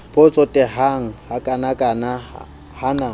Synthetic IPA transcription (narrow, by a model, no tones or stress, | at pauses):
pʼʊt͡sʼɔtʼɛɦaŋ̩hakʼanakʼana | hana